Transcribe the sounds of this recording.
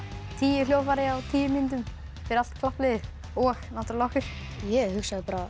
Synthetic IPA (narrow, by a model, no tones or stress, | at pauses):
t̪ʰiːjʏljoːwfaɾɪawt̪ʰiːjɪmɪnt̪̬ʏm | fɪɾal̥t̪kʰlahplɪðʏ | ɔxnaht̪ɾlɔwxʏɾ̥ | jɛɣhʏksaðpaːɾa